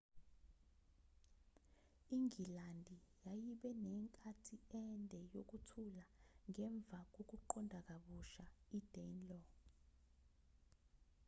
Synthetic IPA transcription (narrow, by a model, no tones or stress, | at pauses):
iŋilandʱijajiɓɛnɛŋkʼatʰiɛntʼɛjok̬utʰulaŋɛɱb̪vʱak̬ok̬uǃɔndʱak̬aɓuʃaid̥ʱɛnlɔ